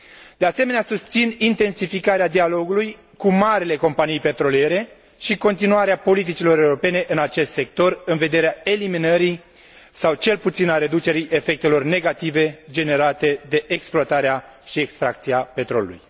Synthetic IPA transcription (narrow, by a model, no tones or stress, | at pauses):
d̪̥e̞ase̞me̞neasust̪sinint̪e̞nsifikaɾead̪ialo̞ɡuluj | kumaɾile̞ko̞mpanijpe̞t̪ɾo̞lije̞ɾe̞ | ʃiko̞nt̪inuaɾeapo̞lit̪̬it͡ʃilo̞ɾe̞uɾo̞pe̞ne̞ʔɨnat͡ʃe̞st̪se̞k̚t̪o̞rɨnve̞d̪e̞ɾeae̞liminəɾi | sawt͡ʃe̞lput̪sinaɾe̞d̪ut͡ʃe̞ɾiʔe̞fe̞k̚t̪e̞lo̞rne̞ɡat̪ive̞d͡ʒe̞ne̞ɾat̪e̞d̪e̞ʔeksploat̪aɾeaʃiekst̪ɾak̚t̪siape̞t̪ɾo̞lṵlṵj